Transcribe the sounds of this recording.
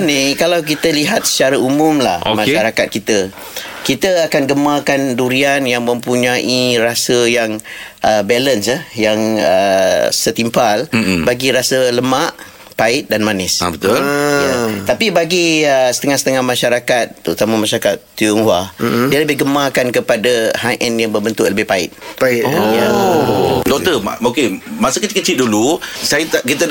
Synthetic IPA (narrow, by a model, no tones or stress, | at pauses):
nikalawk̬it̪əliɦat̪̚sə̥t͡ʃaɾaumʊmla̰hokmãʃaɾakat̪̚kit̪ə | kit̪əakanɡəmakanduɾianjaŋmə̃mpuɲãʔirasəjaŋʔəbɛlənsahjaŋə̰sət̪impalbaɡiɾasələmaʔ | paɪʔ̪̚danmanɪsbət̪ʊljət̪apibaɡiəsə̥t̪əŋahsə̥t̪əŋahmãʃaɾakat̪̚pəɾut̪amãmãʃaɾakat̪ːujuŋhadiələbɪhɡəmakankəpadahajʔɛnjaŋbəbənt̪ʊʔləbɪhpaɪ̰t̪̚paɪja | dɔt̪əmaokemasəkət͡ʃikət͡ʃɪʔ̚dulusajət̪akit̪a